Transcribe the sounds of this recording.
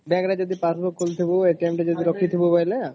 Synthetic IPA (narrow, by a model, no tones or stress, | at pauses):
bɛkɾad͡ʒɔd̪ipaɾbokʰːult̪ʰiboeʈemʈad͡ʒɔd̪iɾɔkʰit̪ʰibopajle